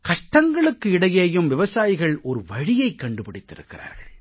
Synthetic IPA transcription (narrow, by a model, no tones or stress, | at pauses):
kɐʂʈɐŋɡɐɭɯkːɯɪɽɐjeːjɯmʋɪʋɐsaːjɪɣɐɭɔɾɯʋɐɻɪjɐɪkːɐɳɖɯpɪɽɪt̪ːɪ̰ɾɯ̰kːɪra̰ːɾɣɐɭ